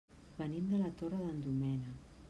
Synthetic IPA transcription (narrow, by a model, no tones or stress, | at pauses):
βənimd̪əlat̪orəðənd̪umɛnə